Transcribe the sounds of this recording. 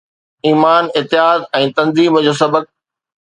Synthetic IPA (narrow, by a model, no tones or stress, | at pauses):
iːmaːnɪt̪ɪɦaːd̪ɛ̃ːt̪ɐ̃nziːmd͡ʑoːsɐbək̚